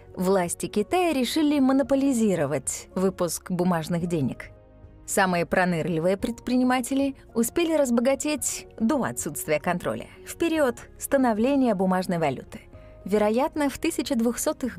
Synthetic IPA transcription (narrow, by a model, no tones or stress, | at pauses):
vlˠasʲtʲɪkʲɪt̪ajəɾʲɪʂɨlʲɪmənəpəlʲɪzʲiɾəvətʲvɨpʊskbʊmaʐnɨxdʲenʲɪ̰k | samɨjəpɾɐnɨrlʲɪvɨjəpɾʲɪt̪̚pɾʲɪnʲɪmatʲɪlʲɪ | ʊspʲelʲɪɾəzbəɡɐtʲetʲd̪o̞ɐ̰t̪sut̪st̪vʲɪjəkɐnt̪ɾo̞̰lʲə̰fpʲɪɾʲiot̪st̪ənɐvlʲenʲɪjəbʊmaʐnəjvɐlʲṵt̪ɨ̥ | vʲɪɾɐjat̪nəft̪ɨsʲɪt͡ɕɪd̪vʊxsot̪ɨx